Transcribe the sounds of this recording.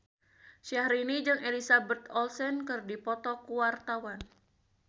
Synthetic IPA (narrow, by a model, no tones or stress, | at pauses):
ʃiahɾinid͡ʒɨŋʔelisabət̪ɔlsɛnkɨrdipɔt̪ɔkuwart̪awan